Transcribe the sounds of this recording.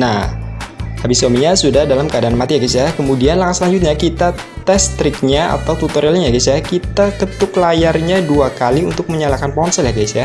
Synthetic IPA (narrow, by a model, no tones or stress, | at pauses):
nah | habiswamiɲasudahdalamkəadaanmat̪ijaɡit̪sajakəmudianlaŋasəlaɲd͡ʒut̪̚ɲakit̪a | t̪ɛst̪ɾɪk̚ɲaa̰t̪awt̪ut̪oɾialɲaaɡisajakit̪atət̪ʊklajarɲaduakaliunt̪ʊk̚məɲalakanpɔɔnsəljaɡasa